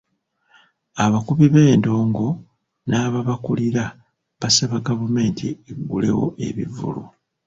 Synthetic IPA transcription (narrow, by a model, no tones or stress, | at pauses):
aβakuβiβe̞ːndo̞ːŋɡo̞ | naːβaβakuliɾa | βasaβaɡavume̞ːntʰieɡːule̞̰wo̞̰e̞̰βḭvṵlṵ